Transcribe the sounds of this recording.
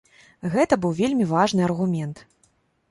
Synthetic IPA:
ɣɛt̪ɐbɨwvʲelʲmʲivaʐnɨɐrɣumʲɛnt̪

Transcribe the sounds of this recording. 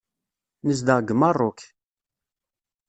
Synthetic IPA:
nəs̬d̪əʁɡəmɑrˤːʊk

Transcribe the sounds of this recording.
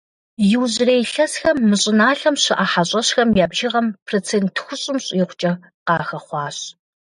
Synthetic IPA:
jɪwʑreːjɬɐsxɐmːɨɕʼɪnaːɬɐmɕɪʔaħaɕʼɐɕxɐmjaːbʒɪʁɐmpʰrot͡sʰeːntʰxʷʊɕʼɪmɕʼiːχʷʊt͡ʃʼɐ | qɑːxɐχʷɑːɕ

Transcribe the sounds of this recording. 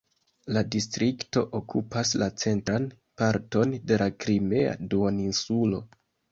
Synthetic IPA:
ladistɾikto̞ʔokʰupaslat͡se̞ntɾan | paɾto̞nde̞lakɾime̞a̰duoninsulo̞

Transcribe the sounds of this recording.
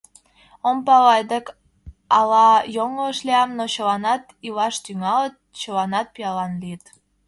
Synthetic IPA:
ompɑɣɑjd̪ək | ɑlɑjoŋoəʃliɑmnot͡ɕəlɑnɑt̪ilɑʃt̪yŋɑlət̪̚t͡ɕəlɑnɑt̪̚pijɑlɑnliət̪

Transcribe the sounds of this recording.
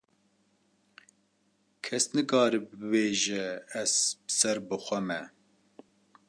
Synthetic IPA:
kʰɛsnɨkɑːɾɨbbɨbeːʒɛːzbɨ̥sɛɾbɨxʷɛmɛ

